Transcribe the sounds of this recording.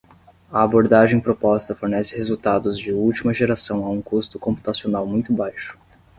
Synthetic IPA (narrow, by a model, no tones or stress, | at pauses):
ɐaboɾd̪aʒẽj̃pɾopɔst̪ɐfoɾnɛsɪhezuwt̪ad̪ʊzd͡ʒɪuwt͡ʃimɐʒeɾasɐ̃w̃aũkust̪ʊkõmpu̥t̪asionawmũj̃t̪ʊbajʃʊ̥